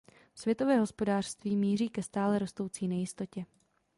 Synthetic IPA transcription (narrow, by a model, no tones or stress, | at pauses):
fsvjɛt̪o̞vɛːɦo̞spo̞daːr̝̥st̪viːmiːr̝iːkɛst̪aːlɛɾo̞st̪o̞wt͡siːnɛjɪst̪o̞cɛ